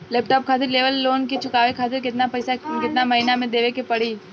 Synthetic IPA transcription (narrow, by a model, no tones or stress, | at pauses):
leːp̚ʈɔːp̚kʰaːt̪ɪɾleːʋəlːoːnket͡ʃʰʊkaːʋekʰaːt̪ɪɾkɪt̪napɐsakɪt̪namɐɦiːnamẽd̪eːʋekepɐɽ̤iː